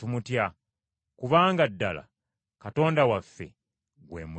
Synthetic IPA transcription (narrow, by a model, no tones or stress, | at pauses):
umutja | kuβaːŋɡadːala̰ | kato̞ːndawafːe̞̰ | ɡwḛːmu